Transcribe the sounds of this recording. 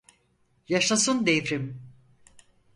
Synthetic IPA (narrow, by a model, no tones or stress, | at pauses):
jaʃasɯnd̪evɾim